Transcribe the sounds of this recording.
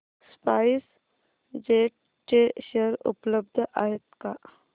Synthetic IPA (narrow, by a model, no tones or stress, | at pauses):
spaːɪs | d͡ʒeːʈ̚ | t͡ʃeʃeɾʊ̰pləb̚d̪ʱaːjət̪ka